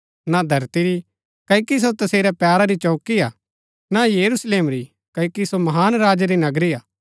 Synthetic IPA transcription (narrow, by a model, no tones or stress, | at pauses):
nad̪ʱɐɾt̪iɾi | kɐkis̬ot̪ɐseːɾɛpjaːɾaɾit͡ʃɔːkia | najɐɾusleːmɾi | kɐkisomɐɦaːnɾaːd͡ʒɾinɐɡɾiaː